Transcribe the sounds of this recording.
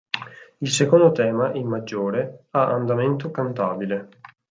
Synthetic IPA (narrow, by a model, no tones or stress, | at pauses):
ilsekond̪ot̪ɛːmaʔimmad͡ʒːoːɾeaʔand̪ament̪okant̪aːbile